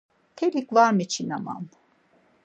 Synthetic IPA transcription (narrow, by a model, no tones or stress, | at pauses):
t̪ʰelikvaɾmit͡ʃʰinama̰n